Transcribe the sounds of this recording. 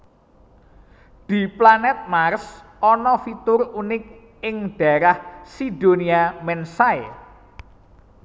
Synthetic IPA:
d̪̥i̤planɛt̪̚mars | ɔnɔfit̪ʊrunɪk̚ | ɪŋɖ̥a̤ɾahsid̥oniamɛnsae

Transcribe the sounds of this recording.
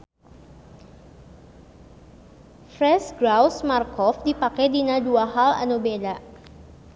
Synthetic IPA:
fɾɛsɡɾawsmarkɔfdipakɛjdinaduaɦala̰nubeda

